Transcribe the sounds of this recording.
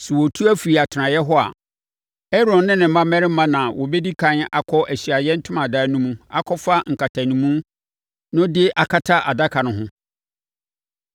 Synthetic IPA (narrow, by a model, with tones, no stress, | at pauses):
sɛ˨wɔ˨tʰu˦æ˦fi˨i˨a˨tʰnã˨jɛ˦ɦɔ˦a̰˨ | ɛ˦ɾɔ̃˨nːɪ̃˦nɪ̃˨m̩˦mã˦mɛ̃˦ɾɪ˦mã˦nã˨wɔ˨bɛ˦di˦kʰã˦na˦˨kʰɔ˦ʔæ˨ɕi˨a˨jɛ˦n̩˦tʰʊ̃˦mã˨daː˦nũ˦mũ˦a̰˦kʰɔ˦fa˦ŋ̩˨kʰa˨tʰa˨nĩ˨mũ˦ | nʊ̃˦dɪ˦ʔa˨kʰa˦tʰa˦ʔa˨da˦kʰa˨nʊ̃˨ɦʊ̃˦